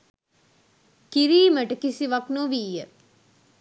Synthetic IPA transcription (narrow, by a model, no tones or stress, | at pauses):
kiɾiːməʈəkisiʋɐknoʋiːjə